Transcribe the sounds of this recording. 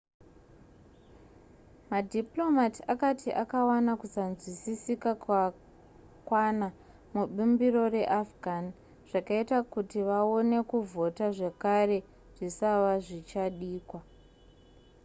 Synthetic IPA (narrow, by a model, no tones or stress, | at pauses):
madʱiplo̞matiakatʰiʔakawanakusanzwisisikaka | kwana | muɓumbiro̞re̞ʔafɡʱan | ʐ̥akaitakutiʋao̞ne̞kuvʱo̞taʐe̞kare̞ | ʐ̥isaʋaʐit͡ʃaɗiːkwa